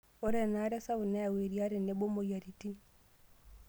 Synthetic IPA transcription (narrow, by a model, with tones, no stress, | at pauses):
ɔ˦ɾɛ˦˨na˦ɾɛ˦sa˦u˨na˦ja˨we˨ɾia˦ɾɛ˨nɛ˨˦bo˦mo˨ja˨ɾi˨ti˦n